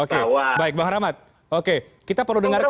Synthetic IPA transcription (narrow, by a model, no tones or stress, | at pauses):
okebaɪk̚baɦaɾamat̪̚ | oke | kit̪apərludəŋark